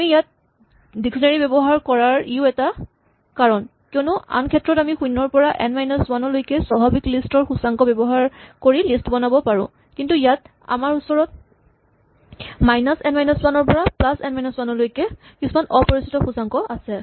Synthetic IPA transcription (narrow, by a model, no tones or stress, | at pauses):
amijat̚ | diksɔnaɹibɛbɔɦaɹkɔɹaɹiʊɛta | kaɹɔnkionʊa̰nkʰɛtːɹɔtamixujnːɔɹpɔɹaʔɛnmajnaswanɔlojkɛsɔbʱabiklistɔɹxusaŋkɔbɛbɔɦaɹkoɹilistbɔnabɔpaɹʊ̰̃ | kintujat | a̰maɹusɔɹɔt̚ | majnasɛnmajnɔswanɔɹpɔɹaplasɛnmajnaswanɔlojkɛ | kisumanʔɔpɔɹisitɔxusaŋkɔʔasɛ